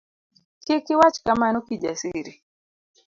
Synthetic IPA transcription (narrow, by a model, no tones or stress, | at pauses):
kɪkɪwat͡ʃkamanokid͡ʒasiɾi